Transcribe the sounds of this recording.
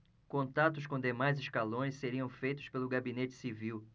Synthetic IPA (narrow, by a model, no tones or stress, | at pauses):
kõnt̪at̪ʊskõd̪emajzɪskalõj̃sseɾiɐ̃w̃fejt̪ʊ̥spelʊɡabinet͡ʃɪ̥siviw